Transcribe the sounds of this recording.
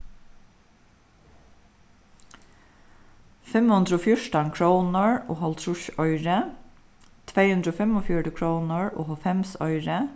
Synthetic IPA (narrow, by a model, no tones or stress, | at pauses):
fɛmhʉnd̪ɾəɔːfjʊʂʈankʰɹoːnəɹo̰ːɦɔlt̪ʰɹʊʃɔʏɾə | t̪ʰvejhʉnd̪ɾəoːfɛmɔfjʊɖəkʰɹoːnəɹo̰ːɦɔlfɛmsɔ̰ʏɹə